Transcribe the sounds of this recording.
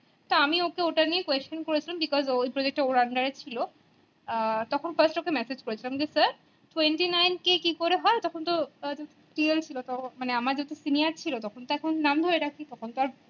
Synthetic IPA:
t̪oamiokeoʈaniekwest͡ʃonkoɾet͡ɕʰilambikɔzoepɾod͡ʑek̚ʈeoɾaɳɖaɾet͡ɕʰilo | t̪ɔkʰonfʰɐɾsʈɔkemɛsed͡ʑkoɾet͡ɕʰilamd͡ʑesɐɾ | ʈwenʈinajnkekikoɾeɦɔet̪ɔkʰont̪od͡ʑat̪eʈielt͡ɕʰilot̪ɔmaneamaɾd͡ʑat̪esinijaɾt͡ɕʰilot̪ɔkʰont̪oɛkʰonnamd̪ʱoɾeɾakʰit̪ɔkʰont̪aɾ

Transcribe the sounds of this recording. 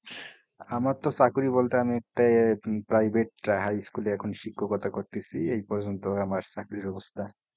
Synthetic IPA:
amaɾt̪ɔsakuɾibolt̪eamiek̚ʈaepɾajbʱeʈ̚ɾaɦajskuleɛkʰonʃikʰːɔkɔt̪ʰakoɾt̪isʰiejpɔɾd͡ʒont̪oamaɾsakuɾibɔbost̪ʰa

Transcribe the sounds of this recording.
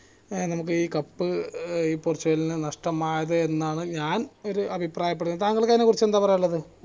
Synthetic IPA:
nɐmuk̬ːɨiːkɐpːɨiːpurt͡ɕːɐɣɐlinɨnɐʂʈɐmaːjɐðɨenːaːɳɨɲaːno̞ɾuʔɐbʱipraːjɐpːeɽunɐt̪aːŋːɐɭkːaːnekurit͡ɕːend̪aːpɐrɐjuɭːɐðɨ

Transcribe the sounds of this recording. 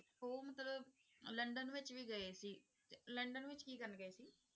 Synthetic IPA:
ɦoːmət̪ləbləɳɖənʋɪt͡ʃʋiːɡəeːsiː | ləɳɖənʋɪt͡ʃkiːkəɾnɡəeːsiː

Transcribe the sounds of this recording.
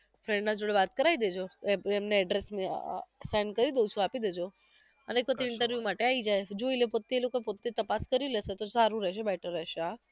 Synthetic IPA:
fɾɛ̃ɳɖnad͡ʒoɭeʋat̪kəɾaid̪ed͡ʒoeemneɛɖɾesmesajnɖkəɾid̪eut͡ʃʰũapid̪ed͡ʒo | ənekʋət̪eɪɳʈəɾʋjumaʈeaid͡ʒajd͡ʒoilepot̪ːeelokoepot̪ːet̪əpaskəɾileset̪osaɾũɾɛʃebɛʈʰəɾɛʃeɦa

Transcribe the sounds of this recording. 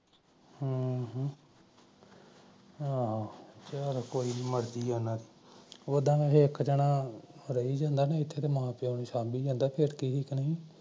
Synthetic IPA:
hãːɦ | at͡ʃaːɾkoːiːməɾd̪iːoːnãːd̪iːoːd̪ãːẽːɦekd͡ʒəɽãːɾəiːd͡ʒãːnd̪aːnaːɪt̪ʰːeːt̪eːmãːpeoːneːʃãːbiːd͡ʒãːnd̪aːpʰɪɾkiːɦɪknəĩː

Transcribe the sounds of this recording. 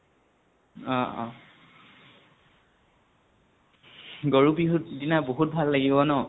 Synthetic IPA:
ɔ̰̃ | ɡoɹubiɦutdinaboɦut̚bʱalːaɡibɔnɔ

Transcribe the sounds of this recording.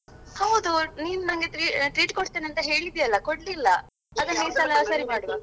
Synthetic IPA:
hɐwd̪uniːnunɐŋɡeʈɾiːʈɾiːʈkoɽt̪eneɐnt̪ɐɦe̞ːɭid̪ijɐlːɐkoɽlilːɐ | ɐd̪ɐɦesɐlasɐɾimaːɽuʋɐ

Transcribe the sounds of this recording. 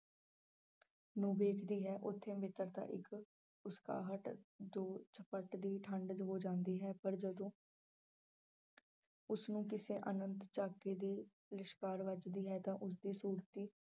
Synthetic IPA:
nũːbeːkʰd̪iːɦɛːʔʊt̪ʰːẽːmɪt̪əɾt̪a̰ːʔɪk | ʊska̰ːɦəʈd͡ʒ̪oːt͡ʃʰəpəʈd̪iːʈʰəɳɖd̪ɦoːd͡ʒãːnd̪iːɦɛːpəɾd͡ʒəd̪õː | ʊsnũːkɪsẽːʔənənt̪t͡ʃaːkeːd̪iː | lɪʃkaːɾʋət͡ʃd̪iːɦɛːt̪ãːʔʊs̬d̪iːsuːɾt̪iː

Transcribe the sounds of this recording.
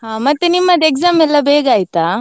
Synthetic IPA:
ɦãːmɐt̪ːenimːɐd̪ekzaːmɛlːɐbeːɡaːjit̪aː

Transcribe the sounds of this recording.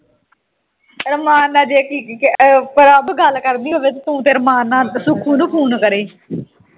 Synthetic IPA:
ɾəmaːnːãːd͡ʒeːkiːkpəɾəbɡəlkəɾd̪iːʋɪt͡ʃt̪ũːt̪eːɾəmaːnːãːsʊkʰũːnũːpʰuːnkəɾeː

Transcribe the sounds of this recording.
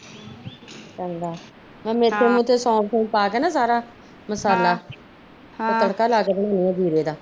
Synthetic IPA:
t͡ʃãnd̪aː | mɛ̃ːmeːt̪ʰːeːmũːt̪eːsɔ̃ːsõːpaːkɛːnaːsaːɾaː | məsaːlaː | ət̪əɽkaːlaːkeːt̪ənaːnijãːd̪ʱiːɾeːd̪aː

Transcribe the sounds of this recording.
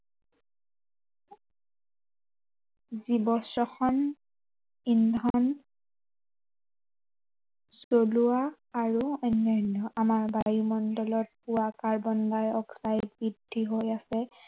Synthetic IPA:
zibɔsɔxɔn | indʱɔn | z̥oluwaː | ɹuɛnɛnɔʔamaɹbajumɔndɔlɔt̚puakaɹbɔndajɔksajtbidʱːiɦojasɛ

